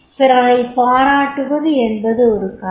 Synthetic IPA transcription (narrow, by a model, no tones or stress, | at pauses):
pɪɾɐlɐɪpaːɾaːʈːɯʋɐðɯɛnbɐðɯɔɾɯkɐ